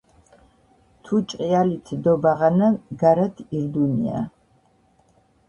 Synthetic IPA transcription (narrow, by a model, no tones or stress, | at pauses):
t̪ʰut͡ʃʼqʼialit̪ʰd̪ɔbaʁanaɡaɾat̪ʰiɾd̪unia̰